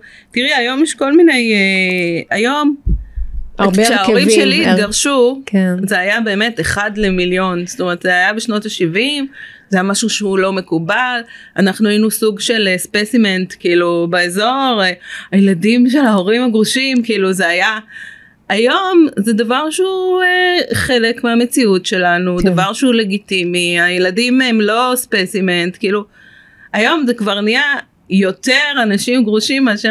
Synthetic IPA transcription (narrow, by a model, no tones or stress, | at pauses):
tiʁeajo̞mjɛʃko̞lmine̞jeajo̞m | aʃeaoʁimʃeliːtɡaʁʃukezeajabe̞ːme̞teχadle̞miljo̞nst̪omeʁet̪zeajabeʃno̞taʃivim | zeajamaʃuʃeulo̞me̞kubalanaχnuainusuɡʃe̞lespesimentkiiːlubeezo̞ʁeajeladimʃe̞lao̞ʁimaɡʁuʃimkiiːluzeaja | ajo̞mzed̪avaʁʃeueχe̞le̞kmeamet͡siutʃe̞lanud̪avaʁʃeule̞ɡitimiajeladimemlo̞spesimentkiːlu | ajo̞mzekvaʁnija | jo̞te̞ʁanaʃimɡʁuʃimaʃe